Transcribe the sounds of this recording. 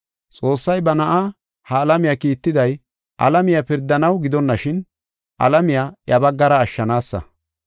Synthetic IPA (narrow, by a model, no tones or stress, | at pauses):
t͡sʼo̞ːsːɐjbɐnɐʔa | hɐːlɐmɪjakiːt̪ːɪd̪ɐj | ʔɐ̰lɐmɪjapɪɾd̪ːɐnɐwɡɪd̪ɔnːɐʃɪn | ʔɐ̰lɐmɪjaːjɐbɐɡːɐɾɐːʃːɐnaːsːɐ̰